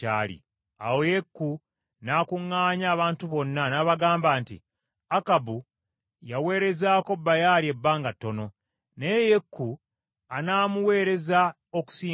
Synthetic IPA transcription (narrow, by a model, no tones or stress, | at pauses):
a̰ːlḭ | a̰wo̞je̞kːu | naːkuŋːaːɲaːβaːntuβo̞nːanaːβaɡaːmbaːntḭ | akabu | jawe̞ːɾe̞zaːko̞bːajalie̞bːaːŋɡatːo̞no̞ | neje̞kʰːu | anaːmuwe̞ːɾe̞za | o̞ku̥siː